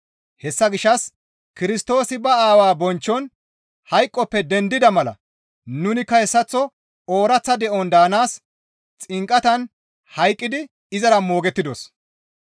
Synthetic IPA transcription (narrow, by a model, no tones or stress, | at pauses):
hɛsːɐɡɪʃːɐs | kɪɾɪst̪o̞ːsɪbɐaːwaːbɔnt͡ʃːɔn | hɐjkʼːɔpːɛd̪ɛnd̪ɪd̪ɐmɐlɐ̰ | nʊnɪkːɐhɛsːɐt͡sːɔ | o̞ːɾɐt͡sːɐd̪ɛʔɔnd̪aːnaːs | t͡sʼɪŋkʼːɐt̪ɐn | hɐjkʼːɪd̪ɪ | ɪzɐɾɐmo̞ːɡɛt̪ːɪd̪os